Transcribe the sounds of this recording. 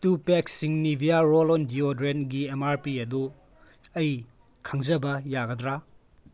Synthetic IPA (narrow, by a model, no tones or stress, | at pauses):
tupeksiŋnibʱijaɾolɔndiodɾenɡiemaɾpiɐdu | ɐj | kʰɐŋzɐbɐjaɡɐdɾa